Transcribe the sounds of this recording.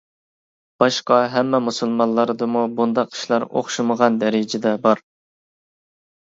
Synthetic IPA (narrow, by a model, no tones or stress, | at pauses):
b̥ɑʃqɑɦɛmːɛmusɨlˠmɑllˠːɑɾd̪ɨmubund̪ɑqʰi̥ʃlˠɑɾo̰χʃuməʁɑnd̪ɛɾɪd͡ʒɪd̪ɛbɑɾ